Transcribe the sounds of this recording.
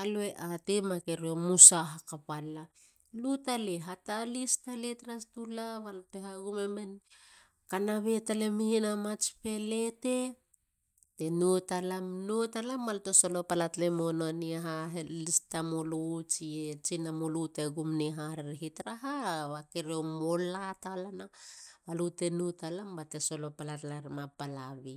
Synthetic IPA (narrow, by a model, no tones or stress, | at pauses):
alueʔatemake̞ɾiomusaɦakapala | lutaleɦatalistaletɾastulaβalpeɦaɡumemen | kanaβe̞talemihinamat͡ʃpe̞lete̞ | tenutalamnutalambalto̞so̞lo̞palatlemononiaɦaɦelistamolut͡ʃiet͡ʃinamoluteɡumniɦaɾeɾɦitɾaɦaβakeɾeomolatalanaβalute̞nutalambateso̞lo̞palatlaɾmapalaβi